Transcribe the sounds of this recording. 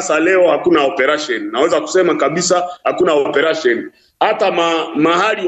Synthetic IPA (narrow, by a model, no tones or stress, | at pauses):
salɛɔhakunaɔpɛɾaʃɔnnawɛzaku̥sɛmakaɓisahakunaɔpɛɾaʃɔni | hatamamahali